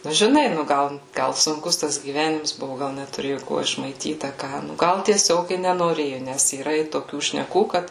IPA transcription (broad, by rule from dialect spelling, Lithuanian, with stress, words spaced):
nʊ ʒʲɪˈnɐɪ ˈnʊ ˈɡɐlˠ ˈɡɐlˠ sʊŋˈkʊs tɐs ɡʲiːˈʋʲæːnʲɪms ˈbʊʋʊ ˈɡɐlˠ nʲɛtʊˈrʲeːjʊ ˈkuɔ ɪʃmɐɪˈtʲiːt ɐ ˈkɑː ˈnʊ ˈɡɐlˠ tʲiɛˈsʲoːk ɪ nʲɛnoːˈrʲeːjʊ ˈnʲɛs iːˈrɐ ɪ toːˈkʲuː ʃʲnʲɛˈkuː ˈkɐt